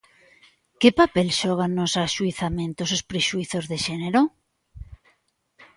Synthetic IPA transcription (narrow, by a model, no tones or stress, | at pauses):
kepapelʃɔɣ̞anosaʃuiθamẽnt̪osospɾeʃuiθozðeʃeneɾo